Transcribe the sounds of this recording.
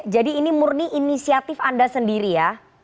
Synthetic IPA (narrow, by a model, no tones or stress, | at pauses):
d͡ʒadiːnimurniʔinisiat̪ɪfandasəndiɾija